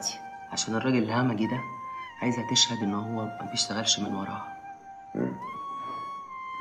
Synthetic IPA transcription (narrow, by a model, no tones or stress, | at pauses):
t̪i̥ | ʕaʃæːnerˤːɑːɡelelhæmæɡid̪æʕaːjezæt̪eʃhæd̪ʔenːɦowːæmæbeʃt̪æɣælʃmḛnwɑ̰ɾˤɑːhɑ